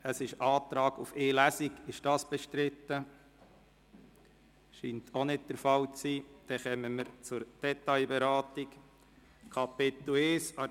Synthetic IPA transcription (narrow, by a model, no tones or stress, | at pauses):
əsɪʃɑːt̪ɾɑːɡufeːlæsiɡɪʃd̥ɑːsb̥ɛʃtɾɪt̪ːə | ʃiːntʰonɪd̚d̥əɾfɑlt͡siːd̥ɛχɛməməɾt͡sʊɾd̥ɛtɑɪbɛɾɑːtik | kʰɑpɪt̪leːsɑ